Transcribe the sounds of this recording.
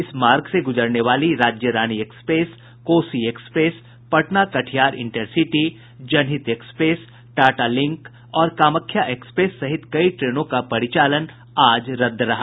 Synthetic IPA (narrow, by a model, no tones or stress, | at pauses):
ɪsmaːɾɡseɡʊd͡ʒəɾneʋaːliɾaːd͡ʒjəɾaːñiekspɾeːs | koːsieːkspɾeːs | pɐʈnakɐʈʰijaːɾɪ̰̃ɳʈəɾsiʈi | d͡ʒɐnɦɪt̪eːkspɾeːs | ʈaːʈalɪ̃ŋk | ɔːɾkaːməkʰːjaʔeːkspɾeːsːɐɦɪt̪kɐiʈɾeːnõkapɐɾɪt͡ʃaːlən | aːd͡ʒɾɐd̪ɾɐɦa